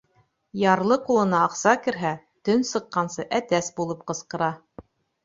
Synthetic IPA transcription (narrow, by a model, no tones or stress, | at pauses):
jɑɾlˠɤqulˠɤ̆nɑːqsɑkɘ̆ɾɦæ | t̪ɵnsɤ̆qːɑnsɤʔæt̪æsbulˠɤp̚qɤ̆sqɤ̆ɾɑ